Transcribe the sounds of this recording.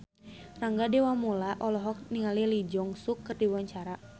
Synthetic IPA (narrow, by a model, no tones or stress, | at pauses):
raŋɡadɛwamulaʔɔlɔɦɔk̚niŋalilid͡ʒɔŋsukːɨrdiwaɲt͡ʃaɾa